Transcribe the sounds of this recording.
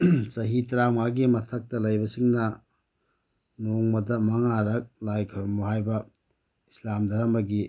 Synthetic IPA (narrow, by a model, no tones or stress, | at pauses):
sɐɦitɾamaɡimɐtʰɐk̚tɐlɐjbɐsiŋnɐ | noŋmɐdɐmɐŋaɾɐk̚lajkʰɐɾmboɦajbɐ | islamdʱɐɾamɐɡi